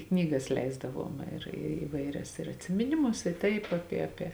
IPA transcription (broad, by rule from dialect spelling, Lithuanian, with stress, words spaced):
ˈknʲiːˌɡɐs ˈlʲɛɪzdɐˌʋuɔm ɪr ɪ ɪˈʋɐɪˌrʲɛs ɪr ɐtʲsʲɪmʲɪˈnʲɪmʊs ɪ ˈtɐɪp ˈɑːpʲiɛ ˈɑːpʲiɛ